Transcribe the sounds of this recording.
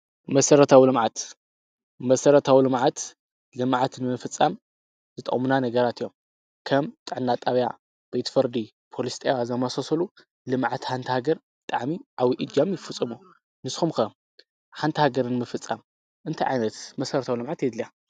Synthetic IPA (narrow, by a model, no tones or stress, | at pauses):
mɐsɐɾɐt̪ʰawilɨmʕat̪ | mɐsɐɾɐt̪ʰawilɨmʕat̪ | lɨmʕat̪nɨmɨfɨt͡sʼːam | zɨt̪ʼɐ̰kʼmunanɐɡɐɾat̪ʰijːom | kʰɐmt̪ʼɨʕɨnːat̪ʼaβja̰ | b̥et̪fɨɾd̪i | pʰo̞list̪ʰʼewazɐmasosɐlu | lɨmʕat̪ħant̪ʰɐhaɡɐɾbɨt̪ʼaʕmiʔaβiʔɨd͡ʒamjɪfɨt͡sʼːɨmu | nɨsxumxɐ | ħant̪ʰɐhaɡɐɾɨnɨmɨfɨt͡sʼːam | ʔɨnt̪ʰajʕajnɐt̪mɐsɐɾɐt̪ʰawilɨmʕat̪jɛd̪lija